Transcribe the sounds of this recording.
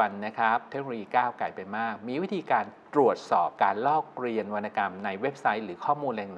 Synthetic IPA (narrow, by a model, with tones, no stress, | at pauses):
a˧nːa˦˥kʰa˦˥p̚t̪ʰe˦˥k̚oː˧jiː˧kaː˥˩wkla˨˩jpa˧jmaː˥˩k̚miː˧wi˦˥t̪ʰiː˧kaː˧nt̪ɾu˨˩ət̪̚sɔː˨˩p̚kaː˧nlɔː˥˩k̚ɾi˧ənwa˧nːa˧ka˧mna˧jwe˦˥p̚sa˦˥jɾɯː˩˦kʰɔː˥˩muː˧nlɛː˧ŋn˨˩˦